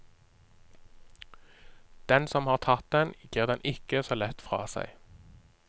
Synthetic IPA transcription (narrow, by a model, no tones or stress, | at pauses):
d̪̥ɛnsɔmhɑːʁt̪ʰɑt̪̚d̪ɛnɡ̥iːʁd̪ɛnʔɪkəsoːlɛt̪fʁɑ̰ːsæ̰ɪ